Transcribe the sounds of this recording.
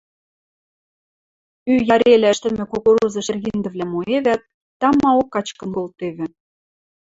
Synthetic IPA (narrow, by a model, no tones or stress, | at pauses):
yjɑɾʲelʲæ̆ʃt̪ɘ̆mĕkokoɾuzɤ̆ʃerɣind̪ə̆vlʲæmoeβæt̪̚ː | ɑmɑokːɑt͡ɕkɤ̆nkolt̪eβɘ̆